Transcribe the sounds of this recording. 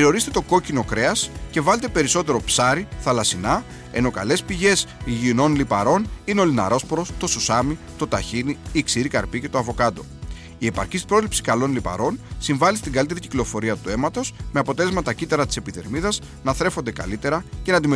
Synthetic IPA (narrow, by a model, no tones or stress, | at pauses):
ɾio̞ɾist̪et̪oko̞cino̞kɾe̞ɐsce̞vɐle̞t̪e̞pe̞ɾiso̞t̪e̞ɾo̞psɐɾiθɐlɐsinɐ | eno̞kɐ̰le̞spiʝe̞siʝino̞nlipɐ̰ɾo̞nineo̞linɐ̰ɾo̞spoɾo̞st̪o̞susɐmi | t̪o̞t̪ɐçiniiksiɾikɐɾpice̞t̪o̞ɐvo̞kɐd̪o̞̰ | ie̞pɐ̰ɾcist̪i̥pɾo̞zlipsi̥kɐlo̞nlipɐ̰ɾo̞nsiɱvɐlist̪iŋɡɐlit̪e̞ɾiciklo̞fo̞ɾiɐt̪ue̞mɐt̪o̞sme̞ɐpo̞t̪e̞le̞zmɐt̪ɐcit̪ɐɾɐt̪i̥se̞piðe̞ɾmiðɐs | nɐθɾe̞fo̞nd̪e̞kɐ̰lit̪e̞ɾɐcenɐnd̪ime